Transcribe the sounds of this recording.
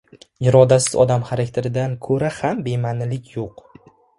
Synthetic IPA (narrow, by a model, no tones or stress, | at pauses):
ɪɾɒd̪asɪ̥zɒ̰d̪amχaɾakʲt̪ʰe̞ɾɪd̪ankʰɵɾahambe̞manɪlɪkʲʰjoq